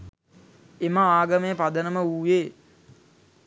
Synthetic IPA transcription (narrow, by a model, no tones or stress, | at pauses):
emaaːɡəmejəpad̪ənəməuːjeː